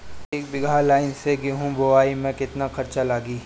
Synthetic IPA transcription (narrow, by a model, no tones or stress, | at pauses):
eːk̚bɪɡʱalaːɪnseɡeɦũboaːimɛ̃kɪt̪nakʰɐɾt͡ʃalaːɡiː